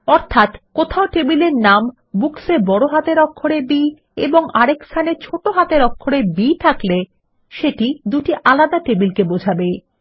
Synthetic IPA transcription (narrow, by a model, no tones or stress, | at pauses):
ɔɾt̪ʰat̪kot̪ʰaoʈebileɾnam | buksebɔɽoɦat̪eɾɔkʰːoɽebi | ḛboŋaɾekst̪ʰanet͡ɕʰoʈoɦat̪eɾɔkʰːoɾebit̪ʰakle | ʃeʈid̪uʈiʔalad̪aʈebilkebod͡ʑʱabe